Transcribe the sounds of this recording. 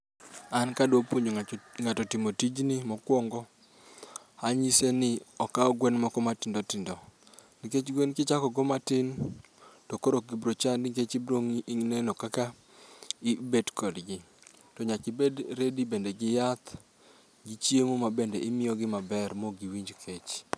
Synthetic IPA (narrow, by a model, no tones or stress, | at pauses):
ankadopwoɲoŋatɔtɪmotid͡ʒnɪmɔkwɔŋɡɔ | haɲisenɪɔkaɔɡwɛnmɔkɔmatɪndɔtɪndɔ | nɪket͡ʃɡwenkɪt͡ʃakɔɡɔmatɪn | tɔkoɾoɡibɾot͡ʃandket͡ʃibɾoŋiŋnɛnɔkaka | ibedkʰɔdɡɪ | tɔɲakɪbedɾedibendɛɡɪjat̪ | ɡit͡ʃjemomabendɛʔɪmɪjɔɡɪmabɛrmoɡiwiɲd͡ʒkʰet͡ʃ